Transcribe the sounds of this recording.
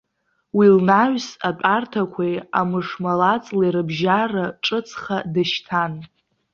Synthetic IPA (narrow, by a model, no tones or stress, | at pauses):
wilnaɥsapʼartʰakʷʰejamɨʂmalat͡sʼleɾɨbʒaraʈ͡ʂʼɨt͡sʰʼχadaʃtʰan